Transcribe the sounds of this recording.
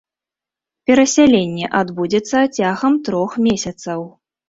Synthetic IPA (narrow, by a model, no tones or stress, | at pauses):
pʲɛɾɐsʲalʲenʲːɛʔad̪bud͡zʲɛt̪sːɐt͡sʲaɣɐmt̪ɾɔxmʲesʲɐt̪sɐw